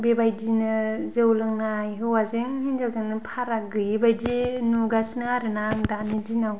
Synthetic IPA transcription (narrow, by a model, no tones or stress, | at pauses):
bebajdinɯzɯwlɯŋnaajɦɯwazeŋɦinzawzaŋnɯpʰaɾaɡɯjbajdinuɡasnɯaɾɯnaŋdanidinaw